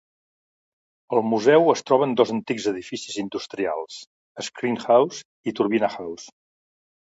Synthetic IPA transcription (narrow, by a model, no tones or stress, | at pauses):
əlˠmuzɛwəst̪ɾɔβənd̪ɔzənt̪iɡzəðifisizind̪ust̪ɾia̰lˠs | əskɾiŋxawz | it̪uɾβinaxaws